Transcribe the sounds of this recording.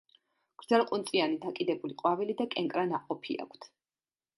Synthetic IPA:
ɡ̥ɾd̪zɛlqʼunt̪sʼianid̪akʼid̪ɛbuliqʼwavilid̪akʼɛŋkʼɾanaqʼɔpʰḭa̰kʷʰt̪ʰ

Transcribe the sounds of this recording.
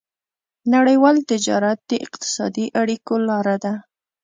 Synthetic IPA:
naɽəjwɑlt̪ɪd͡ʒɑ̰ɾat̪̚d̪əʔɪ̰qt̪ɪ̥sɑ̰d̪iʔaɽikolɑɾad̪a

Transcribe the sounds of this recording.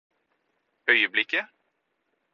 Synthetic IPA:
œʏəblɪkːə

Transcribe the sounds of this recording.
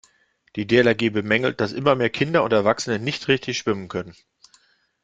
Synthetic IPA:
d̥iːdeːlaɡiːbəmɛŋl̩t̚d̥asʔɪmɐmeːɐkʰɪndɐʊntɛɐvaksənənɪçtʁɪçtɪçʃv̥ɪmənkʰœnən

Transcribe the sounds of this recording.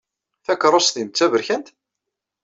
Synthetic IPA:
θækːɾˤosθint͡sːævəɾçænt̪

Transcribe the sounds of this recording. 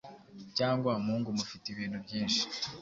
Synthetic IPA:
caːŋɡwamuːŋɡumufitiβiːn̤ubjiːnʃi̥

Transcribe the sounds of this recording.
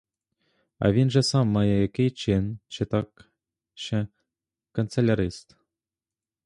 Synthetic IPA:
ɑ̰vʲinʐɘ̆sɑmːɑjɑekʲet͡ɕenʲt͡ɕɘ̆t̪ɑk | ɕɘ̆ | kont͡selʲaɾʲist̪

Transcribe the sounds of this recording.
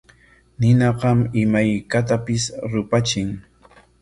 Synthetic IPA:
nɪnɑɢɑmɪmajkat̪apɪsɾʊpat͡ʃɪŋ

